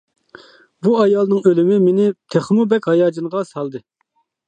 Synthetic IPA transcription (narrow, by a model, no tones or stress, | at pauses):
buɑjɑlˠnɨŋølɪmɪmɪnɪt̪ʰeχmubɛkʲhɑjɑːd͡ʒinʁɑsɑlˠd̪ɨ